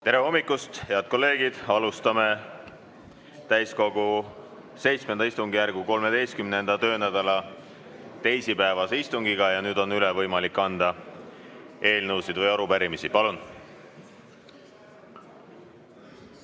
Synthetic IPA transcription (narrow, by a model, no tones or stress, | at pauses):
t̪e̞ɾe̞o̞mːikːˑust̪he̞ɑd̪̥̚ko̞lːe̞ːɡ̥id̪̥ɑlust̪ɑme̞ | t̪æjsko̞ɡ̥u | se̞jt̪sme̞nd̪ɑist̪uŋɡ̥ijærɡ̥uko̞lme̞d̪e̞jst̪̚kymne̞nd̪̥ɑt̪ø̞ːnæd̪̥ɑlɑ | t̪e̞jsipæevɑseist̪uŋɡiɡ̥ɑjɑnyːd̪̥o̞nːylevɤjmɑlikˑːɑnd̪̥ɑ | e̞ːlnəwsid̪̥vɤjɑɾupæɾimisipɑlun